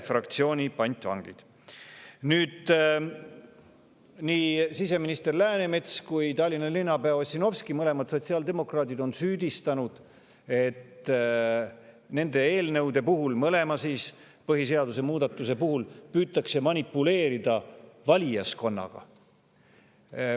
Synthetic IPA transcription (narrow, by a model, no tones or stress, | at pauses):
frɑkt̪sio̞ːnʲipɑnʲt̪ʲˑvɑ̰ŋɡ̥ḭd̪̥ | nyːd̪̥ | niːsise̞minist̪e̞rlæːne̞me̞t̪skujt̪ɑlʲːinːɑlinːɑbeɑsʲino̞vskimɤle̞mɑd̪̥so̞t̪siɑld̪e̞mo̞krɑːd̪id̪o̞nsyːd̪̥ist̪ɑnud̪̥ | e̞t̪ | ne̞nd̪̥e̞e̞ːlnɤwd̪e̞puɦulmɤle̞mɑsiːs | pɤɦis̬e̞ɑd̪use̞muːd̪̥ɑt̪ˑːuse̞puhulpyːt̪ːˑɑkse̞mɑnʲipːˑule̞ːɾid̪ɑvɑlʲijɑsko̞nːɑ̰ɡ̥ɑ̰